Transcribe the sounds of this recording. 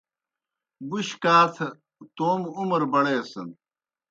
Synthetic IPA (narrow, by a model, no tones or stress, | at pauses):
buɕkaːt̪ʰɐ | t̪oːmumɐɾbɐɽeːsɐn